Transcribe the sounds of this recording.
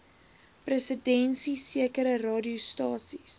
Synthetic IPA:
prəsədɛnsisiəkəɾərɑːdiustɑːsis

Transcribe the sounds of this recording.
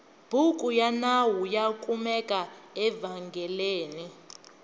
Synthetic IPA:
b̥ʱukʼujanawujakʼumɛkʼaɛvaŋɡʱɛleːni

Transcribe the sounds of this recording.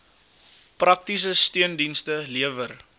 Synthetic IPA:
prʔɐk̚tis̬əstyəndinstəliəvər

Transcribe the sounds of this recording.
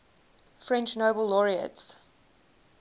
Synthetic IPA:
fɹɛ̃nt͡ʃnoʊbəlˠːɔɹiə̰ts

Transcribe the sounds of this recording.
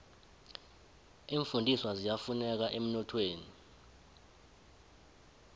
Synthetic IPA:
iːɱfundʱiswazijafunɛk̬aʔem̩nɔtʰweːni

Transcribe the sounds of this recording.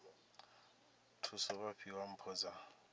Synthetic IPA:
tʰusɔβaɸʰiwam̩pʰɔːd͡za

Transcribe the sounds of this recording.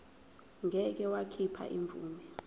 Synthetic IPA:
ŋʱɛk̬ɛwakʰipʰa̰ʔiɱb̪vṵːmɛ

